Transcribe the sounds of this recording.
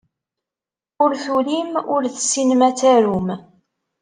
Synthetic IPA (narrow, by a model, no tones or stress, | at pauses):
ʊɾθulimʊɾθə̥sːinmæt͡sːæɾum